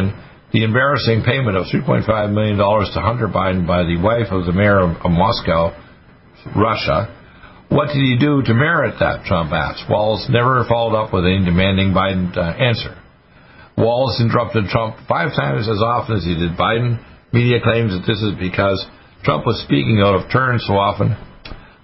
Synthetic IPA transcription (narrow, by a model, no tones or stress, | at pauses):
n | ðiɨ̃mbɛɹɨsɪ̃ŋpʰẽɪ̃mɨ̃ɾ̃ʌv̥θɹipʰɔ̃ɪ̃ntfaɪvmɪlˠjɨ̃ndɔlˠə˞z̥tʰəɦʌ̃ntə˞baɪdⁿn̩baɪðɨwaɪfʌvðɨmɛɹʌmɑskaʊ | ɹʌʃə̰ | wʌt̚d̥ɨd̚idɨɾɨmɛɹɨt̪̚ðɨ̰tʰɹ̥ʌ̃mpæ̰st̚wɔ̰lˠznɛvə˞fɑlˠɾʌpwəðɨ̃ndɨmæ̃ndɪ̃ŋbaɪdⁿn̩æ̃nsə̰˞ | wɔlˠzɪ̃ntə˞ʌp̚tɨd̚tʰɹ̥ʌ̃mpfaɪv̥tʰãɪ̃mzɨzɑfə̃nɨz̥idɨd̚baɪdⁿn̩miɾiɨkʰl̥ẽɪ̃mzðɨt̪̚ðɪsɨzbɨkʰʌz̥ | tʰɹ̥ʌ̰̃mpwʌz̥spikɪ̃ŋaʊɾʌv̥tʰɜ̃˞nsoʊɑfə̃n